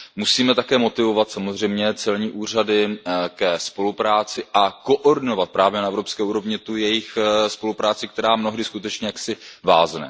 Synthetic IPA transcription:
musiːmɛt̪akɛːmo̞t̪ɪvo̞vat̪samo̞zr̝ɛjmɲɛt͡sɛlɲiːʔuːr̝adɪkɛspo̞lupɾaːt͡sɪʔako̞ʔoɾdɪno̞vat̪̚pɾaːvjɛnaʔɛvɾo̞pskɛːʔuːɾo̞vɲɪt̪ujɛjɪxspo̞lupɾaːt͡sɪk̚t̪ɛɾaːmnoɦdɪskut̪ɛt͡ʃɲɛjaksɪvaːznɛ̰

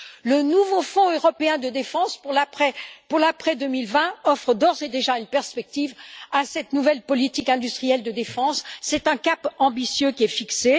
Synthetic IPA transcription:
lənuvofɔ̃øʁɔpeɛ̃d̪əd̪efɑ̃spuʁlapχɛpuʁlapχɛd̪ømilvɛ̃ɔfχəd̪ɔʁzed̪eʒaynpɛʁspɛk̚t̪ivasɛt̪nuvɛlpɔlit̪ikɛ̃d̪yst̪χijɛld̪əd̪efɑ̃sːɛt̪ɛ̃kapɑ̃bisjøkʲiɛfikse

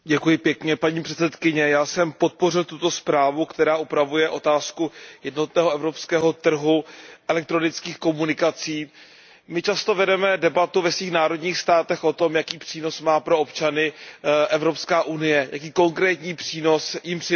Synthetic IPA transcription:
ɟɛkujɪpjɛkɲɛpaɲiːpr̝̥ɛt͡sɛt̪kɪɲɛjaːsɛmpo̞t̪̚po̞rɪlt̪ut̪o̞spɾaːvukt̪ɛɾaːʔupɾavujɛʔo̞t̪aːskujɛdno̞t̪nɛːɦoʔɛvɾo̞pskɛːɦo̞t̪r̩ɦuʔɛlɛk̚t̪ɾo̞nɪt͡skiːxko̞munɪkat͡siː | mɪt͡ʃast̪o̞vɛdɛmɛdɛbat̪uvɛsviːxnaːɾo̞dɲiːxst̪aːt̪ɛxʔo̞t̪o̞mjakiːpr̝̥iːno̞smaːpɾo̞opt͡ʃanɪʔɛvɾo̞pskaːʔunɪjɛja̰kiːko̞ŋkɾɛːt̪ɲiːpr̝̥iːno̞sjɪmpr̥ɪ

